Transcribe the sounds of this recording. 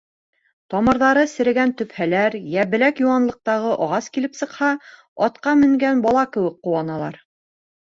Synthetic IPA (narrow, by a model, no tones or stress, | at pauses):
t̪ɒmɤ̆ɾðɑɾɤsɘ̆ɾɘ̆ɡænt̪ɵ̆phælæɾjæβɘ̆lækjuwɑnlˠɤ̆q̚t̪ɑʁɤʔɒʁɑskilɘpsɤ̆qhɑ | ɒt̪qɑmɘ̆ŋɡænbɑlˠɑkɘ̆wɘk̚qːuwɑnɑlˠɑ̰ɾ